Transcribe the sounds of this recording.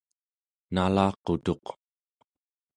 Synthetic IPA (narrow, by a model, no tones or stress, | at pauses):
nalɑːqot̪o̞q